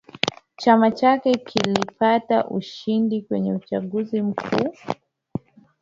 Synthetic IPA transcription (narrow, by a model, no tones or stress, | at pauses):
t͡ʃamat͡ʃakɛkʰilipataʔuʃindikwɛɲɛut͡ʃaɠuzim̩kʰuː